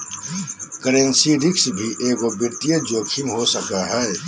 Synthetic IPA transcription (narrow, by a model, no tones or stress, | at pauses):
kəɾẽnsiɾɪksbʱiʔeːɡobɪt̪ijed͡ʒoːkʃʰɪmɦosɐkaɦɛː